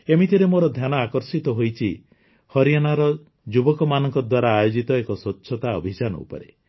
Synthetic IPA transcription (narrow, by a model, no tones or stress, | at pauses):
emit̪ʰiɾemoɾɔd̪ʱjanɔakɔɾsit̪ɔɦojt͡ʃʰi | hɔɾijanaɾɔ | d͡ʒubɔkɔmanɔŋkɔd̪waɾaːjod͡ʒit̪ɔekɔsɔt͡ʃʰɔt̪aɔ̰bʱit͡ʃanɔ̰ṵpɔ̰ɾḛ